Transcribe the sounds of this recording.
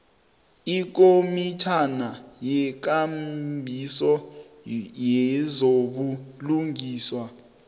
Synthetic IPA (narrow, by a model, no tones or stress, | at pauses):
ik̬omit͡ʃʰanajɛk̬ambʱisɔ | jɛzoɓuluŋiːswa